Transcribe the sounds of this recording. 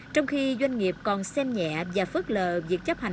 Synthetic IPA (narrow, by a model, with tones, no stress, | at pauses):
t͡ɕɔ˧wŋ͡mxi˧zwa˧jŋ̟ŋi˨˩əp̚kɔ˨˩nsɛ˧mɲɛ̰˧˨vaː˨˩fɨ˦˥k̚ləː˨˩vi˨˩ək̚t͡ɕə˦˥p̚ha˨˩